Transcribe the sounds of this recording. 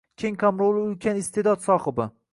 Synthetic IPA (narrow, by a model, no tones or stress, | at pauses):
kʲʰeŋqʰamɾolˠɪʊlkʲʰanɪst̪ʰed̪ɒd̪sɒχɨbɪ